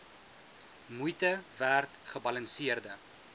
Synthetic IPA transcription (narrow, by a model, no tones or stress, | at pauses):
mujtəværtχəbɐlənsiərdə